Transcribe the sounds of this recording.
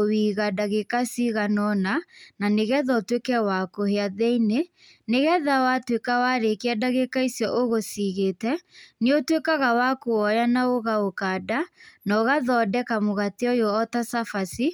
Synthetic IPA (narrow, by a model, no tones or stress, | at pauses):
owiɣadaɣekasiɣanɔnananeɣɛðatwekɛwakoheaðeine | neɣɛðawatwekawaɾekeadaɣekaisjɔʔoɣosiɣeːtɛneotwekaɣawakoɔjanaoɣaokadanɔɣaðɔdɛkamoɣatiɔjoɔtasafasi